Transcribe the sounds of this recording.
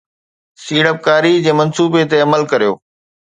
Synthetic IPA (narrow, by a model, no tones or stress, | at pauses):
siːɽəp̚kaːɾid͡ʑeːmɐnsuːbet̪eɐməlkɐɾijo̰ː